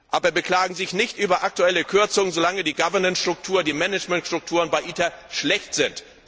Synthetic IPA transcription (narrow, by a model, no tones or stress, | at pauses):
ʔaːbɐbəkl̥aːɡŋ̩zɪçnɪçtʔyːbɐʔak̚tuɛləkʰʏɐt͡sʊŋzolaŋədiːɡavɐnənsʃtʁ̥ʊk̚tʰuːɐədiːmɛnɛt͡ʃmɛntʃtʁ̥ʊk̚tʰuːʁənbaɪʔiːtaɐʃlɛçtz̥ɪnt